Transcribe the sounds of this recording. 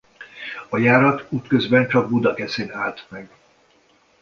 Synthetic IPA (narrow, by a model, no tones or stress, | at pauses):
ɒjaːɾɒt̪uːt̪køzbɛnt͡ʃɒɡ̚bud̪ɒkɛseːnaːlt̪mɛɡ